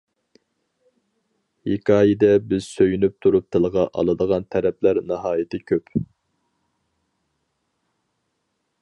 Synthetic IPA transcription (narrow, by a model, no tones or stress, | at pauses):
hekʰɑːjɪd̪ɛbɪz̥søjynyp̚t̪ʰuɾup̚t̪ʰɪlˠʁɑʔɑ̰lˠɨd̪əʁɑnt̪ʰɛɾɛplæɾnɨɦɑːjɪt̪ʰɪkʲʰøp